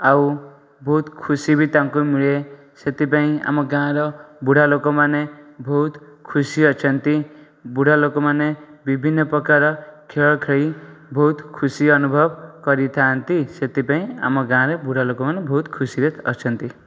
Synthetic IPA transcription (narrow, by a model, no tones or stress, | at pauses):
aw | bʱʌut̪kʰusibit̪ãŋkomiɭe | set̪ip̬aĩa̰mʌɡãɾʌbuɽalokomanebʱʌut̪kʰusiʌt͡sʰʌnt̪i | buɽ̤ʱalokomanebibʱinːʌpʌkaɾʌkʰeɭkʰeɽibʱʌut̪kʰusiʌnubʱʌbkʌɾit̪ʰant̪iset̪ipaĩa̰mʌɡãɾʌbuɽ̤ʱalokomanebʱʌut̪kʰusiɾet̪ʰʌt͡sʰʌnt̪i